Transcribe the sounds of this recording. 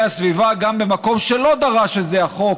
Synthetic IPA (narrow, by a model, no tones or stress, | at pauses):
asvivaɡambe̞mako̞mʃelo̞d̪aʁaʃezeaχo̞k